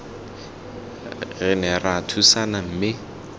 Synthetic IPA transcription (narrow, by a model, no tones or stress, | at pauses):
ɣɛnɛratʰusanam̩ːmɪ